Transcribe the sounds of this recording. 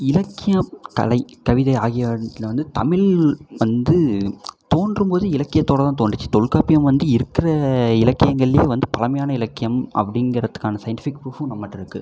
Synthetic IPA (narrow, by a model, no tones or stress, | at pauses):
ɪlɐkːɪjɐmkɐ̰lɐɪkɐʋɪðɐɪaːɣɪjɐt̪ːɪlʋɐnd̪ɯt̪ɐmɪlʋɐnd̪ɯt̪oːnɖrɯmpoːðɯɪlɐkːɪjɐt̪ːoːɽɐt̪ãːt̪oːɳɖɯt͡ʃːɯ̥t̪ɔɻkaːpɪjɐmʋɐnd̪ɯɪɾɯkːɪrɐɪlɐkːɪjɐŋɡɐɭɪleːʋɐnd̪ɯpɐlɐmɐjaːnɐɪlɐkːɪjɐmʔɐ̰pːɐɽɪŋɡɪɾɐt̪ːɯ̥kːaːnɐsɐjɐɳʈɪfɪkːpɾuːfʊ̃nɐmːɐʈːɪɾɯkːɯ